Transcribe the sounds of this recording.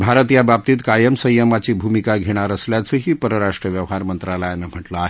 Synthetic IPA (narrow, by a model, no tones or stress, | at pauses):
bʱaɾət̪jabab̚t̪iːt̪kajəmsə̃jəmat͡ɕiːbʱumikaɡʱeɽ̃aɾəsljat͡səɦiːpəɾəɾaʂʈɾəʋjəʋɦaɾmənt̪ɾalajanam̤əʈlaaɦe